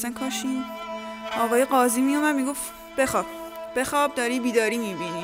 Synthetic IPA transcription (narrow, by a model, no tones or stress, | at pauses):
sænkʰɒːʃin | ɒːɣɒːjeɢɒːziːmijumæd̪miɡo̞f | b̥exɒːb̥̚b̥exɒːb̚d̪ɒːɾiːbiːd̪ɒːɾimibini